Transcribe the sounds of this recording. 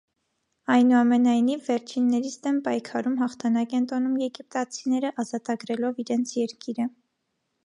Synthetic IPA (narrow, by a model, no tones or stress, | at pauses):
ɑjnuɑmɛnɑjnivːɛɾt͡ʃʰinːɛɾit͡sʰd̪ɛnpɑjkʰɑɾumɦɑχt̪ʰɑnɑkɛnt̪ɔnumjɛɡip̚t̪ɑt͡sʰinɛɾəʔɑzɑt̪ɑɡɾɛlɔviɾɛnt͡sʰjɛɾkiɾə